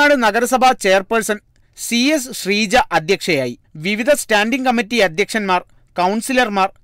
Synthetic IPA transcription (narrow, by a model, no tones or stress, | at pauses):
aːɽɨnɐɡɐɾɐsɐbʱɐt͡ɕeːɐrpɐrsɐn | sies̬ɕriːd͡ʑɐʔɐd̪ʱjɐkʂɐjaːjiʋiʋid̪ʱɐstaːnɖiŋkɐmːitːiɐd̪ʱjɐkʂɐnmaːr | kɐwɳsilɐrmaːr